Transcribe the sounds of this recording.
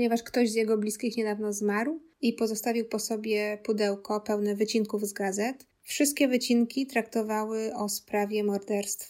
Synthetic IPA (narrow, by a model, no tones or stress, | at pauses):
ɲɛvaʂkt̪ɔʑzjɛɡɔblʲiskʲixɲɛd̪avn̪ɔzmaɾw | ipɔzɔst̪avʲiwpɔsɔbʲjɛpud̪ɛwkɔpɛwnɛvɘt͡ɕiŋkuvzɡazɛt̪ | fʂɨst̪̚kʲɛvɘt͡ɕinkʲit̪ɾak̚t̪ɔvawɘɔspɾavʲjɛmɔɾd̪ɛɾst̪f